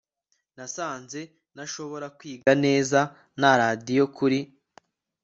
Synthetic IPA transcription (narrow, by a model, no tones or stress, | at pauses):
nasaːnze̞ | naʃo̞βo̞ɾakwiːɡane̞ːza | naɾadijo̞kʰuɾi